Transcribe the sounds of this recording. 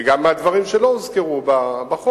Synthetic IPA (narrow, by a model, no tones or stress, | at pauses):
ɡamːead̪vaʁimʃelomuzkeʁubabaχo